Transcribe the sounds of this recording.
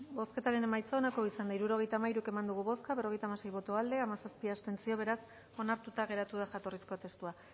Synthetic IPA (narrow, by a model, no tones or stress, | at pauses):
bo̞ske̞t̪aɾene̞majt͡saonako̞isand̪aiɾuɾo̞ɣ̞e̞jt̪aːmaiɾuke̞mand̪uɣuβo̞skaβero̞ɣe̞jt̪amasejβo̞t̪oald̪eamasaspiast̪e̞nt͡sio̞β̞e̞ɾas | o̞naɾt̪ut̪aɣ̞e̞ɾat̪uð̞axat̪o̞risko̞t̪e̞st̪ua